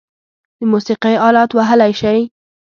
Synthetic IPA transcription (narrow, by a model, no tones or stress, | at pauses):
lɪmusiqijɑːlɑːt̪waɦalajʃaɾi